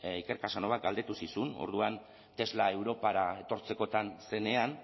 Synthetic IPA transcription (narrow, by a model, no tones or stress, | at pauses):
ike̞ɾkasano̞βak̪̚ɡald̪e̞t̪usisuno̰ɾðuan | t̪e̞zlae̞wɾo̞paɾae̞t̪o̞ɾt͡se̞ko̞t̪anse̞ne̞an